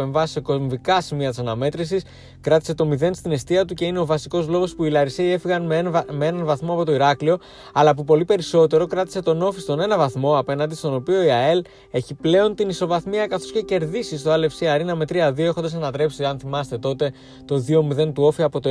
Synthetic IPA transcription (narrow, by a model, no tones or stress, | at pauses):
eɱvɐsi̥se̞ko̞mvikɐsimiɐt̪isɐnɐme̞t̪ɾisis | kɾɐt̪i̥se̞t̪o̞miðe̞nst̪ine̞st̪iɐt̪̬uce̞ine̞o̞vɐsiko̞zlo̞ɣo̞spuilɐɾiseie̞fiɣɐnmmeenɐnvɐθmo̞ɐpo̞t̪o̞iɾɐklio̞ | ɐlɐpupo̞lipe̞ɾiso̞t̪e̞ɾo̞kɾɐt̪ise̞t̪o̞no̞fist̪o̞ne̞nɐvɐθmo̞ɐpe̞nɐnd̪ist̪o̞no̞pio̞iɐe̞l | e̞çiple̞o̞nt̪iniso̞vɐθmiɐkɐθo̞sce̞ce̞ɾðisist̪oɐle̞fsiɐɾinɐme̞t̪ɾiɐðio̞exo̞nd̪ɐsɐnɐt̪ɾe̞psiɐnθimɐst̪e̞t̪o̞t̪e̞ | t̪o̞ðio̞miðe̞nt̪uo̞fiɐpo̞t̪o